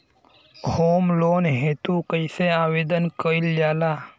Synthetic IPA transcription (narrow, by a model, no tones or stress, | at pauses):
hoːmloːnɦeːt̪ukəɪseaːweːd̪ənkəild͡ʒaːlaː